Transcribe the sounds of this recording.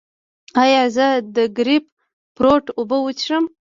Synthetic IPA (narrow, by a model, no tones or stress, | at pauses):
ɑjɑzəd̪əɡɾip̚ | pɾoʈobəwət͡ʃʂəm